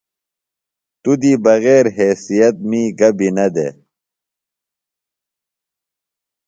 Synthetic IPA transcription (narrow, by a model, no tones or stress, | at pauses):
t̪ud̪iːbɐɣeːɾɦeːsijɐt̪̚miːɡɐbinɐd̪ḛː